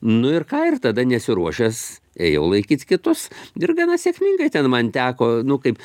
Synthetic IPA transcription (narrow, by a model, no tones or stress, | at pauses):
nʊɪrkɑːɪrt̪ɐd̪ɐnʲɛsʲɪɾuɔʃʲɛs | ḛːjɛʊlˠɐɪkʲiːt͡skʲɪt̪ʊsɪrɡɐnɐsʲiɛkʲmʲiŋɡɐɪt̪ʲɛnmɐnt̪ʲæːkoːnʊkɐɪp